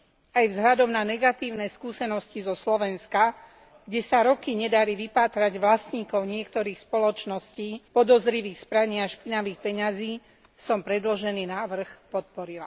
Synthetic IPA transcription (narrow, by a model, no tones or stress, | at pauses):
ajvzɦʎad̪ɔmnanɛɡat̪iːʊnɛːskuːsɛnɔscizɔslɔʋɛnska | ɡ̥ɟɛsaɾɔkiɲɛd̪aɾiʋipaːt̪ɾaɟʋlasɲiːkɔʊɲɪɛkt̪ɔɾiːxspɔlɔt͡ʃnɔsciːpɔd̪ɔzɾiʋiːxspɾaɲiːaʃpinaʋiːxpɛɲaziː | sɔmpɾɛd̪lɔʒɛniːnaːʋr̩xpɔt̪̚pɔɾila̰